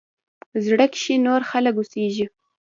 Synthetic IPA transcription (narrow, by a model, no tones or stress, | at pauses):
zɽəkʃinoɾxaləkuseʒi